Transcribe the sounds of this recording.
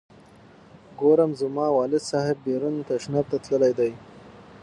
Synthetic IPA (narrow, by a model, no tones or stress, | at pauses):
ɡoɾamzʊmɑːwɑːlɪd̪sɑɦɪbːeɾunt̪aʃnaɾt̪at̪ləlajd̪aj